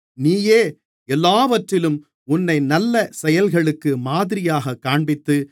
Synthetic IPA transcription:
niːjeː | ɛlːaːʋɐʈrɪlɯm | ʊnːɐɪnɐlːɐsɛjɐlɣɐɭɯkːɯmaːðɪɾɪjaːɣɐkːaːɳbɪt̪ːɯ

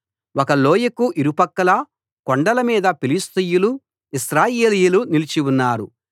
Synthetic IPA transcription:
wɔkɐloːjɐkuʔiɾupɐkːɐlɐ | koɳɖɐlɐmiːd̪ɐpilist̪ijulu | isɾaːjeːlijulunilit͡ʃiwunːaːɾṵ

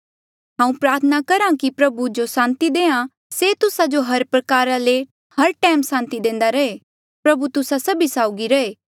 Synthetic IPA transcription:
ɦãːũpɾaːɾt̪ʰənakɐɾãkipɾɐbud͡ʒosãːnt̪id̪eːã | seːt̪ʊsad͡ʒoɦɐɾpɾɐkaːɾale | hɐɾʈɛːmsãːnt̪id̪ẽːnd̪aɾɐeː | pɾɐbut̪ʊsasɐbisaːʊɡiɾɐeː

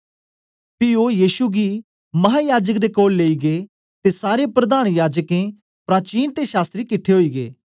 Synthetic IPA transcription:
pɪojiːʃuɡi | mɐɦaːjaːd͡ʒəkd̪ekoːlːeːiɡe | t̪esaːɾepɾɐd̪aːɽ̃jaːd͡ʒəkẽ | pɾaːt͡ʃiːnt̪eʃaːst̪ɾikɪʈʰːeɦoːiːɡḛː

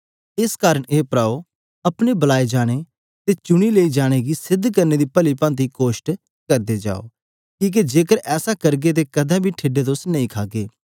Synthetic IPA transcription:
ɪskaːɾəɽ̃eːpɾaːo | ɐpɽ̃ebɐlaːed͡ʒaːɽ̃e | t̪et͡ʃʊɽ̃ileːid͡ʒaːɽ̃eɡisɪd̪ʱkɐɾned̪ipɐlipãːnt̪̬ikoːʃʈ | kɐɾd̪ed͡ʒa̰ːo̰ː | kiːk̬ed͡ʒeːkəɾɛːsakɐɾɡet̪̬ekɐd̪ʱãbʱiʈʰeːɖet̪̬ʊsnɐ̃ĩkʰaːɡeː

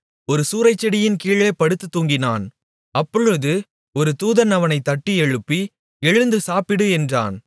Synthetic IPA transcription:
ɔɾɯsuːɾɐɪt͡ʃːɛɽɪjɪnkiːɭeːpɐɽɯt̪ːɯt̪ːuːŋɡɪna̰ːn | ɐpːɔɻɯðɯ | ɔɾɯt̪uːðɐnɐʋɐnɐɪt̪ːɐʈːiɛɻɯpːi | ɛɻɯnd̪ɯsaːpɪɽɯɛndra̰ːn

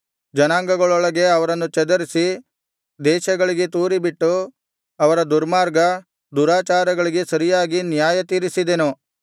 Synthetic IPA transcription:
d͡ʒɐnaːŋɡɐɡɐɭɔɭɐɡe̞ɐʋɐɾɐnːut͡ʃɛd̪ɐɾisi | d̪ɛːʃɐɡɐɭiɡet̪uːɾibiʈːu | ɐʋɐɾɐd̪uɾmaːɾɡɐ | d̪uɾaːt͡ʃaːɾɐɡɐɭiɡe̞sɐɾijaːɡinjaːjɐt̪iːɾisid̪enu

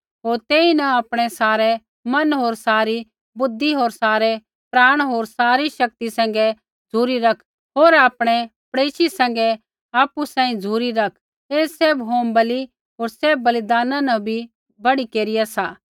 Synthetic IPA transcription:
ɦoːɾt̪eːinɐaːpɽ̃ɛsaːɾɛ | mɐnɦoːɾsaːɾi | bʊd̪ʱːiɦoːɾsaːɾɛ | pɾaːɽ̃ɦoːɾsaːɾiʃɐk̚t̪isɛ̃ːŋ̆ɡɛ | d͡zʱuːɾiɾɐkʰ | ɦoːɾaːpɽ̃ɛpɽeːʃisɛ̃ːŋ̆ɡɛ | aːpusãːĩd͡zʱuːɾiɾɐkʰ | eːseːbɦoːmbɐli | ɦoːɾseːbbːɐlɪd̪aːnãnɐbʱi | bɐɽikeːɾɪjasaː

